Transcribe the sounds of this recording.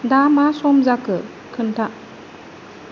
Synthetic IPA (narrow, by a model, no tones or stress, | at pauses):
damasɔmzakɯ | kʰɯntʰaʔ